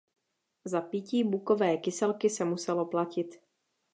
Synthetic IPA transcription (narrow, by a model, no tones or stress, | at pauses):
zapɪciːbukovɛːkɪsɛlkɪsɛmusɛlo̞placɪt̪